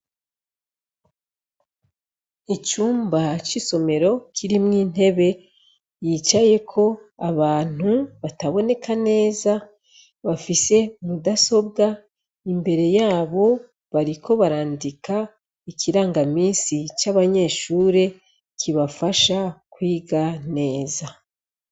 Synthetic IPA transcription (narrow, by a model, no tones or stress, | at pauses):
it͡ʃuːmbat͡ʃiso̞me̞ɾo̞kʰiɾimŋiːn̥e̞βe̞ | jiːt͡ʃaje̞kʰo̞aβaːn̥huβataβo̞ne̞kʰane̞ːza | βafise̞mudaso̞bɡa | imbe̞ɾe̞jaːβo̞ | βaɾikʰo̞βaɾaːndikʰa | ikʰiɾaːŋɡamiːnsit͡ʃaβaɲe̞ːʃuːɾe̞ | kʰiβafaʃakwiːɡane̞ːza